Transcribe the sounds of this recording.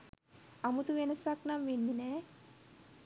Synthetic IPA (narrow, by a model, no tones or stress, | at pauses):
amut̪uʋenəsaknamʋenːinɛː